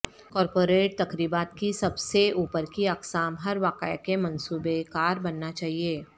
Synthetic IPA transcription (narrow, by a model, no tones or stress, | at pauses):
kɔːɾpoːɾeːʈ̚t̪ɐkɾiːbaːt̪̚kisɐbseuːpəɾkiɐksaːmɦɐɾʋaːqəjkemɐ̃nsuːbekaːɾbɐnːat͡ʃaːɦieː